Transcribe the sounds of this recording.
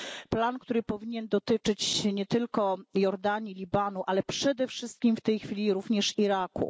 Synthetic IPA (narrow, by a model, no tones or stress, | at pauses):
plankt̪uɾɘpɔvʲiɲɛnd̪ɔt̪ɘt͡ʂɘt͡ɕɲɛt̪ɘlkɔjɔɾd̪aɲilʲibanuʔalɛpʂɛd̪ɛfʂɘst̪̚kʲimft̪ɛjxfʲilʲiɾuvɲɛʂiɾakṵ